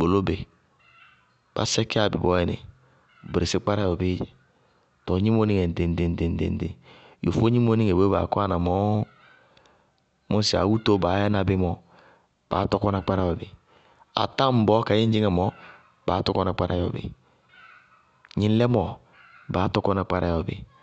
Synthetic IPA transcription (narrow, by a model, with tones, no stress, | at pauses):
k͡po˨lo˦be˨ | b̥a̰˨˦sɛ˦ki˦a˨bḭ˨bɔ˨˦ɛ˨nḛ˨ | bɾe˨si˦k͡pa˦ɾa˦jɔ˨be˦˨ | tɔ˨ɲi˦mo˦ni˦ŋe˨de˨n˨de˨n˨de˨n˨dḛ˨n˦dḛ˨jo̰˨fo˦ɲi˦mo˦ni˦ŋe˨bo˦ba̰˨kʷa˦na˨mɔ˨˦ | mo˦si˨a̰˨wu˦to˦ba˨˦ja˦na˨bi˦mɔ˨ | b̥a̰˨˦tɔ˦kɔ˦na˨k͡pa˦ɾa˦jɔ˨bḛ˨ | a̰˨ta˦m̩˨bɔ˦ka˨˦ji˦d͡ʒi˦ŋa˨mɔ˨˦ | b̥aː˨˦tɔ˦kɔ˦na˨k͡pa˦ɾa̰˨˦jɔ̰˨bḛ˨ | ɲi˦n˦lɛ˦mɔ˨ | ba˨˦tɔ˦kɔ˦na˨k͡pa˦ɾa̰˨jɔ˨bḛ˨